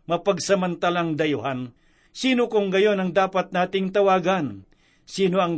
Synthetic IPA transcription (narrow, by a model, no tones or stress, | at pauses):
mɐpɐɡsɐmɐnt̪alaŋd̪ɐjʊɦan | siːnokʊŋɡɐjo̞nɐŋd̪aːpat̪̚naːt̪ɪŋt̪ɐwaːɡan | siːnoɐŋ